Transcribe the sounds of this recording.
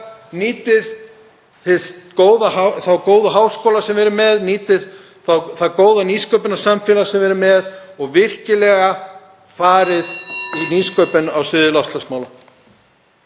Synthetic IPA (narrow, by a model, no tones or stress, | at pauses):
niːt̪ɪð | θɪskoːwðahaθawkoːwðaɦaːwskowlasɛmvɛɾʏɾmɛðniːt̪ɪð | θawθaðkoːwðaniskœɥpɪnḁsamfɛːlasɛmvɛɾʏmɛðɔɣvɪr̥cɪlɛɣa | faːɾɪðiniːskœɥpʏnawsɪðɪlafst̪lasmaːwla